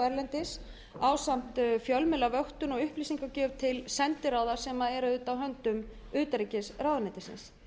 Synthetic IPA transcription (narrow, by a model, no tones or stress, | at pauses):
ɛɾlɛnt̪ɪs | aːwsam̥t̪fjœlmɪlavœht̪ʏnɔɣʏhpliːsiŋkacœːvt̪ʰɪlsɛnt̪ɪɾaːwðḁsɛmaðɛɾʏʏːt̪awɦœnt̪ʏm | ʏːt̪aɾicɪsɾrawðanɛt̪ɪsɪ̰ns